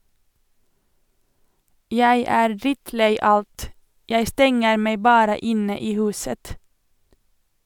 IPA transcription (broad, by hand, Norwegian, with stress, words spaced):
ˈjæɪ ˈæːɾ ˈdɾɪtˌleɪ ˈɑlt ˈjæɪ ˈstɛŋəɾ ˈmeɪ ˈbɑːɾə ˈɪnə ˈiː ˈhʉːsət